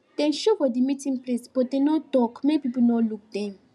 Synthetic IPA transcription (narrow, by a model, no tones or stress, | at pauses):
d̥ɛ̃nʃofɔdimitĩŋplesb̥ɔdenɔtɔkmepipunɔluk̚dɛ̃m